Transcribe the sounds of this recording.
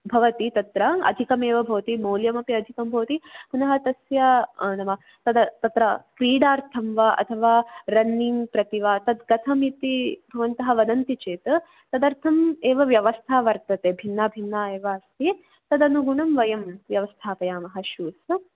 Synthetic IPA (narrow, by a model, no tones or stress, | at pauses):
bʱɐʋɐt̪it̪ɐt̪ɾɐɐ̰d̪ʱikɐmeːʋɐbʱɐʋt̪imoːljɐmɐpiɐd̪ʱikɐmbʱɐːt̪ipunɐɦɐt̪ɐsjɐnɐʋɐ | t̪ɐd̪ɐt̪ɐt̪ɾɐkɾiːɽaːɾt̪ʰɐmʋaʔɐ̰t̪ʰɐʋaːɾɐnːiːnpɾɐt̪iʋaːt̪ɐd̪ɡɐt̪ʰɐmit̪ibʱɐʋɐnt̪ɐɦɐʋɐd̪ɐnt̪it͡ʃeːt̪ɐ | t̪ɐd̪ɐɾt̪ʰɐmeːʋɐʋjɐʋɐst̪ʰaːʋɐɾt̪ɐt̪eːbʱinːɐbʱinːaːeːʋɐɐst̪ʰi | t̪ɐd̪ɐnuɡuɳɐmʋɐjɐmʋjɐʋɐst̪ʰaːpɐjaːmɐɦɐʃuːs